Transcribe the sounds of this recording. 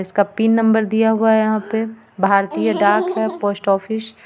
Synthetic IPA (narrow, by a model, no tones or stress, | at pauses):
ɪskapiːnːɐ̃mbəɾd̪ijaɦuaɦɛjɐɦãpe | bʱaːɾt̪iːjəɖaːkɦɛpoːsʈɔːfʰɪs